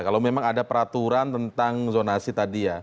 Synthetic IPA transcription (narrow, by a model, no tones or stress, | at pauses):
kalawmemaŋadapəɾat̪uɾant̪ənt̪aŋzonasit̪adija